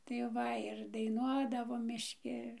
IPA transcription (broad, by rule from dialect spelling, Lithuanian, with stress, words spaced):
tɐɪ ˈʋɐ ɪr dɐɪˈnuɔdɐʋoːm mʲɪʃʲˈkʲɪ